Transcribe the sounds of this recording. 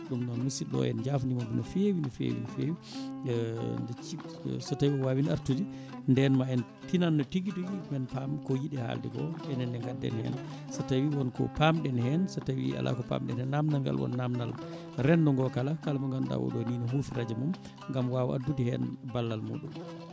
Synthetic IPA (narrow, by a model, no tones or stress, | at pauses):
ɗumnɔnmusiɗɔ̰ɛ̰nd͡ʒafnimɔbinɔfewinɔfḛwḭnfewi | ndɛt͡ʃisɔtawiɔwawina̰ɾtudi | ndɛnmaɛn | tinanːɔtiɡiduɡimɛnpamkɔjiɗɛha̰ldɛ̰ɡɔ̰ɛnɛndɛŋɡadːɛ̰nhɛ̰n | sɔtawiwɔnkɔ̰pamɗɛnhɛnsɔtawḭa̰lʔa̰kɔpa̰mɗɛ̰nhɛnːamnalɡa̰lwɔ̰nːamnal | ɾɛndɔŋɡɔkalakalamaŋɡanɗa̰wɔ̰ɗɔninɔɦufiɾad͡ʒɛmum | ŋɡamwawa̰dːudihɛnbalːalmṵɗum